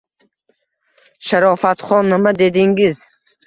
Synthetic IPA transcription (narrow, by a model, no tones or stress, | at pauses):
ʃaɾɔfat̪χɔnːamad̪ed̪iŋɡiz